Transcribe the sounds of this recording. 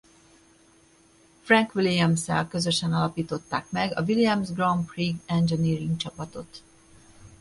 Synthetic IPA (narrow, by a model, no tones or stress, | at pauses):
frɛŋkʋiliɛmsɛ̰lkø̞zø̞ʃɛnɒlɒpiːt̪o̞t̪ːaːkmɛɡɒvilijɛmzɡrɒmpriɡɛnd͡ʒɛniːriŋɡt͡ʃɒpɒt̪o̞t̪